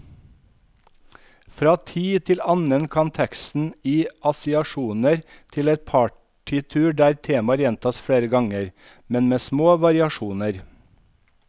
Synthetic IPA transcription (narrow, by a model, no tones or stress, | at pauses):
fɾɑːt̪ʰiːt̪ʰɪlɑnənkʰɑnt̪ʰɛkst̪n̩iːʔɑsɪɑʃuːnəɾt̪ʰɪlɛt̪̚pʰɑː | ʈʰɪt̪ʰʉːɖæːɾt̪ʰeːmɑɾjɛnt̪ʰɑːsfɽeːɾəɡɑŋəɾ | mɛnmeːsmoːʋɑɾɪɑʃuːnəɾ